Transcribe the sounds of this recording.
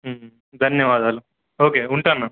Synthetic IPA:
d̪ʱɐnjɐʋaːd̪aːlu | oːkeːuɳʈaːnɐ

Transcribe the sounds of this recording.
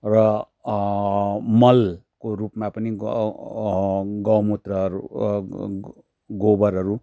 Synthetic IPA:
rʌ | mʌlkoɾupmapʌni | ɡʌwmut̪rʌɾu | ɡobʌɾɦʌɾu

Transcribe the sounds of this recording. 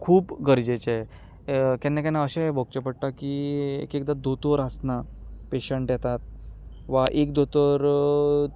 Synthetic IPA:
kʰuːpɡəɾd͡ʑet͡ɕe | kɛnːakɛnːaəɕẽbʱɔk̚t͡ɕepəɽʈakiḛkekd̪ad̪ot̪oɾəsnapeɕəɳʈjɛt̪at̪̚ʋaʔek̚d̪ot̪ɔɾ

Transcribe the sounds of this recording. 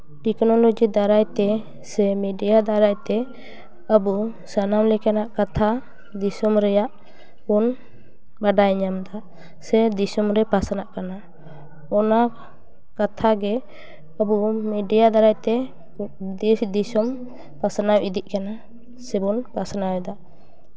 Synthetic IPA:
ʈɛknɔlod͡ʒid̪aɾajt̪ɛ | sɛmiɖijad̪aɾajt̪ɛ | əbu | sanamlɛkanaʔkat̪ʰa | d̪isɔmɾɛjaʔ | bɔn | baɖajɲamd̪aʔ | sɛd̪isɔmɾɛpasanaʔkana | ɔna | kat̪ʰaɡɛ | əbumiɖijad̪aɾajt̪ɛ | d̪isɔm | pasanawid̪iʔ̚kana | sɛbɔnpasanaɛd̪aʔ

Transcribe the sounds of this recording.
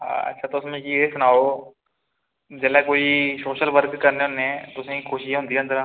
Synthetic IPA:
ɦa̰ɐ̰tːʃʰat̪osɐməd͡ʒkiesʊnaːoː | d͡ʒɛleːkoːisoːʃəlʋəɾkːəɾneɦʊ̃neɛ̃ːt̪ʊsẽikʰʊːʃɪjãɦʊ̃nd̪ijãənd̪əɾãː

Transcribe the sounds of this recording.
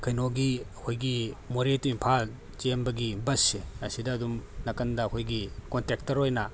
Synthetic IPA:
kʰɐjnoɡiɐkʰojɡimoɾetuimpʰal | t͡ʃembɐɡibɐsːeɐsidɐːdumnɐkɐndɐɐkʰojɡikontek̚tɐɾojnɐ

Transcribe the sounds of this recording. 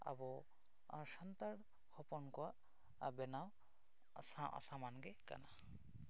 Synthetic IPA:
a̰bɔ | sant̪aɽ | hɔpɔnkɔwaʔ | bɛnaw | saʔa̰samanɡɛka̰na

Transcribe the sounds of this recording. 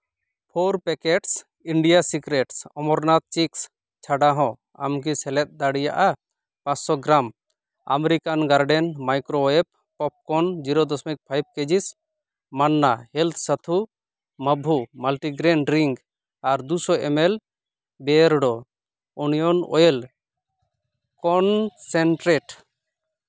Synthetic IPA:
pʰoɾpɛkeʈs | iɳɖijasikɾeʈsɔmɔɾnat̪̚t͡ʃiks | t͡ʃʰaɖaɦɔ̃ | a̰mk̬isɛlɛt̪̚ˀd̪aɽijaʔa | pãt͡ʃsɔɡɾam | a̰meɾikanɡaɾɖɛnmajkɾoɛp̚ːɔp̚kɔnd͡ʒiɾɔd̪ɔsmɛk̚pʰajb̚ked͡ʒis | manːahɛlt̪ʰsət̪ʰu | məbʱumalʈiɡɾɛɳɖɾiŋɡ | aɾd̪usɔɛmɛl | bɛɾɖɔ | unijɔnɔ̰jel | kɔnsɛɳʈɾɛʈ

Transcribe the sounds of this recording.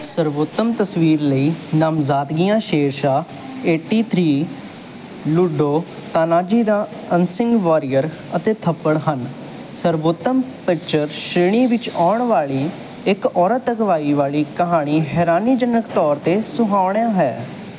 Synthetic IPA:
səɾʋoːt̪ːəmt̪əsʋiːɾləiːnaːmzaːt̪ɡijãːʃeːɾʃaː | eːʈiːt̪ʰɾiː | lʊɖoː | t̪aːnaːd͡ʒiːd̪aː | ənsɪ̃ŋɡʋaːɾijəɾ | ət̪eːt̪ʰəpːəɽɦən | səɾboːt̪ːəmpɪk̚t͡ʃəɾʃɾeːɳ̃iːʋɪt͡ʃaːɳʋaːɭiː | ɪkɔːɾət̪əkʋaːiːʋaːliːkəɦaːɽ̃iːɦɛːɾaːniːd͡ʒənəkt̪ɔːɾt̪eːsʊɦaːʊɳjãːɦɛː

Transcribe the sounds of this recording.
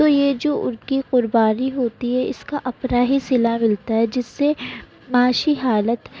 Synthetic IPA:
t̪oːjed͡ʒoːʔʊɾkiqʊɾbaːɾiɦoːt̪iɦɛɪskaʔɐpɾaːɦisɪlamɪlt̪aɦɛd͡ʒɪsːe | maːʃiɦaːlət̪

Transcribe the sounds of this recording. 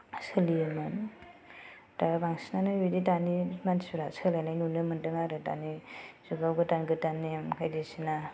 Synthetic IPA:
sɯlijɯmɯn | tabaŋsinanɯjiditanimansuɾasɯlajnajnunɯmɯntɯŋaɾɯta̰nisuɡawɡɯtanɡɯtanːijamkʰajdesina

